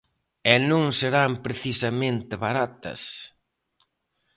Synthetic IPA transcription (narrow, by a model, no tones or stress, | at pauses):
ɛnõŋseɾampɾeθisɐmẽnt̪ɪβaɾat̪ɐ̰s